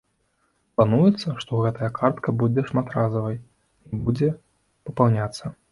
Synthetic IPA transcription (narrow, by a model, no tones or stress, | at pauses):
plˠanujɛt̪sːɐʂt̪ɔɣɛt̪ɐjɐkʰart̪kɐbud͡zʲɛʂmat̪razɐvɐj | ibud͡zʲɛ | pɐpawnʲat̪sːɐ